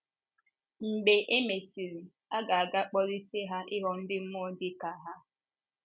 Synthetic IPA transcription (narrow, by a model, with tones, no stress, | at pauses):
m̩˨ɡ͡be˨ʔe˦me˨ti˨ɾi˨ | a˦ɡa˨a˨ɡa˦k͡pɔ˦ɾi˦se˦ɦa˦ʔɪ˦ɦɔ˦n̩˦dɪ˦m̩˦mʊ˦ɔ˦dɪ˦ka˨ɦa˦